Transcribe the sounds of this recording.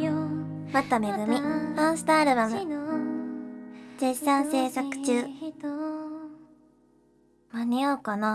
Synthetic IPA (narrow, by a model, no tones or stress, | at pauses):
mat̪ːame̞ɡɯ̟mʲiãɰ̃sɨ̥t̪aːɾɯ̟bamɯ̟ | d͡ʑeɕsãɰ̃se̞ːsakɯ̟̥t͡ɕɨː | maɲ̟ioːkana